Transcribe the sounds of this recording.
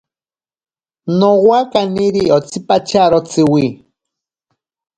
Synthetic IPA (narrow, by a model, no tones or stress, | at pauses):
nowakaniɾiɔt͡sʰipat͡ʃaɾɔt͡sɨwi